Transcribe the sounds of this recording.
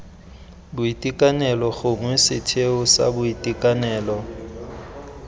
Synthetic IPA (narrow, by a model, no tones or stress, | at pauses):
bʊitʼikʼanɛlɔɣʊŋwɛsɪtʰeʊsa̰bʊitʼikʼanɛːlɔ